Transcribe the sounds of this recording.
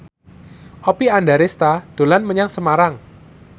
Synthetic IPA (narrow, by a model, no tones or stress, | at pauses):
ʔɔpiandaɾɪst̪ad̥o̤lanməɲaŋsəmaɾaŋ